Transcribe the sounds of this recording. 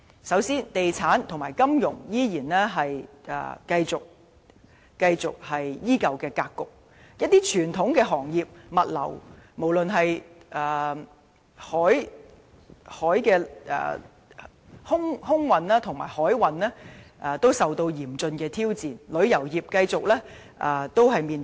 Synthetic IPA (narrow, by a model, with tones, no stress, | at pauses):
sɐ˨˥wsiː˥nt̪e˨jt͡sʰaː˨˥nt̪ʰŋmaː˨˩jkɐ˥mjʊ˨˩ŋjiː˥jiː˨˩nlɛː˥ɦɐ˨jɛ̰ː˨˩kɐ˧jt͡sʊ˨k̚ː | ɐ˧jt͡sʊ˨k̚hɐ˨jjiː˥kɐ˨wkɛː˧kaː˧kːʊ˨k̚ | jɐ˥t̚t̪iː˥t͡ʃʰyː˨˩nt̪ʰʊ˨˥ŋkɛː˧ɦɔː˨˩ŋjiː˨p̚mɐ˨t̚lɐ̰˨˩wmo˨˩wlɵ˨nɦɐ˨jʔɛː˨˩ | hɔː˨˥j | hɔː˨˥jkɛ̰ː˧˨ | hʊ˥ŋhʊ˥ŋwɐ˨naː˥t̪ʰʊ˨˩ŋma̰ː˨˩jhɔː˨˥jwɐ˨˧nlɛː˥ʔɐ˨t̪o˥wsɐ˨wt̪o˧wjiː˨˩mt͡sɵ˧nkɛː˧t̪ʰiː˥wt͡siː˨nlɵ˨˧˥ɥjɐ˨˩wjiː˨p̚kɐ˧jt͡sʊ˨k̚lɛː˥ | ʔaː˨˩t̪o˥wɦɐ˨jmiː˨n